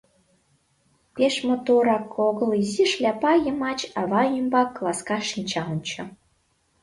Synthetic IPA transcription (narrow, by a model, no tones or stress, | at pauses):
peʃmot̪oɾɑkʰːoɣəliziʃlʲæpɑjəmɑt͡ɕɑβɑymbɑkːlˠɑskɑʃint͡ɕɑənt͡ɕɤ̆